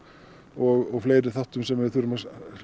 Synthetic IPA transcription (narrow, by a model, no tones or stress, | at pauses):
ɔɣɔɣfleːjɾɪθaht̪ʏmsɛmɪðθuɾʏmas